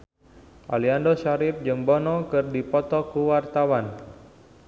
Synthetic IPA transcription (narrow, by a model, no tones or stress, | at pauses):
ʔaliandɔsaɾɪp̚d͡ʒɨŋbɔnɔkɨrdipɔt̪ɔkuwart̪awan